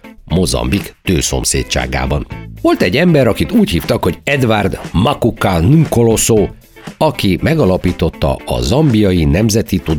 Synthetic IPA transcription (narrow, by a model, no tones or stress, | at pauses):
mo̞zɒ̰mbikt̪øːso̞̰msḛːtt͡ʃa̰ːɡa̰ːbɒnʋo̞lt̪ɛɟːɛmbɛɾɒkit̪uːchiːft̪ɒkho̞ɟɛd̪vard̪mɒkukːanuŋkolo̞soː | ɒkimɛɡɒlɒpiːt̪o̞t̪ːɒ̰ɒ̰zɒmbijɒjinɛmzɛt̪it̪ud̪